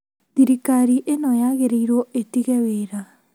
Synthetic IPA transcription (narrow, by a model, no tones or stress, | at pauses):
ðiɾikaɾiʔenɔjaɣeɾeiɾoetiɣɛweɾa